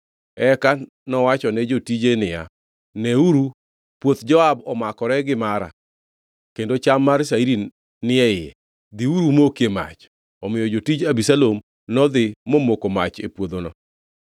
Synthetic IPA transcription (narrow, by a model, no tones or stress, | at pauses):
ɛka | nɔwat͡ʃɔnɛd͡ʒotid͡ʒenɪja̰ | nɛuɾu | pwot̪d͡ʒɔabɔmakɔɾɛɡɪmaɾa̰ | kendot͡ʃamːars̬aiɾi | nɪɛɪjɛ̰ | d̪iuɾumokema̰t͡ʃ | ɔmɪjɔd͡ʒotid͡ʒabisalom | nɔd̪ɪːomokomat͡ʃḛpwod̪onɔ̰